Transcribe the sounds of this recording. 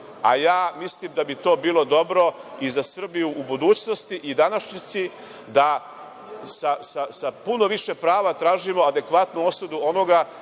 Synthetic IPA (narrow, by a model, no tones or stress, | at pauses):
a̰jaːmislˠimd̪abit̪o̞ːbiːlˠo̞d̪o̞bɾo̞izasr̩bijuʔːbud̪uːt͡ɕno̞st̪iʔid̪anaʃɲit̪si | d̪a | sasasapuno̞ʋiʃe̞pɾaːʋat̪ɾaːʒimo̞ad̪e̞kʋat̪nuo̞sud̪uo̞no̞ɡa